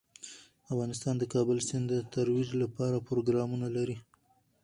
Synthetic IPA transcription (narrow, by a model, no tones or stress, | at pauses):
afɣɑnɪst̪ɑnd̪əkɑbəlsɪnd̪ət̪aɾwiʒlapɑɾapɾoɡɾɑmunalaɾi